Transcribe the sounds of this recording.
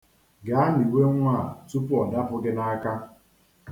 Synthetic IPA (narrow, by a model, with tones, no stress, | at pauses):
ɡa˨˦ni˨we˦ŋʷ˦a˦˨tu˦pʊ˦ɔ˨da˦pʊ˦ɡɪ˦na˦ka˦